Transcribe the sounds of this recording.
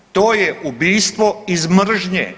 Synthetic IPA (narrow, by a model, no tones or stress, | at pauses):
t̪oːjeubiːst̪ʋoizmr̩ʒɲḛ